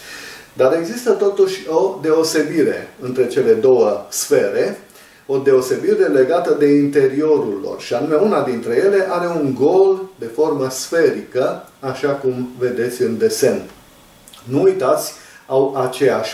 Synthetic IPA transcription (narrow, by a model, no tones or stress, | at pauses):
d̪aɾe̞ɡzist̪ət̪o̞t̪uʃʲo̞d̪e̞ose̞biɾe̞ɨnt̪ɾe̞t͡ʃe̞le̞d̪o̞wəsfe̞ɾe | o̞d̪e̞ose̞biɾe̞le̞ɡat̪əd̪e̞int̪e̞ɾio̞ɾulːo̰rʃianume̞unad̪int̪ɾe̞je̞le̞ʔaɾe̞uŋɡo̞ld̪e̞fo̞rməsfe̞ɾikəaʃakumve̞d̪e̞t̪sʲɨnd̪e̞se̞n | nuujt̪at̪sʲawʔat͡ʃe̞jaʃʲ